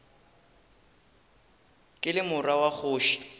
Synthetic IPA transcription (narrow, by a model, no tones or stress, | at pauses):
kʼɪlɪmʊrawaχʊːʃi̥